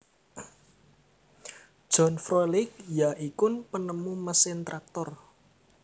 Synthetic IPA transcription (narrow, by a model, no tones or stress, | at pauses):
d̥ʒ̥ɔ̤nfɾolɪk̚jaʔikʊnpənəmuməsɪnt̪ɾak̚t̪ɔr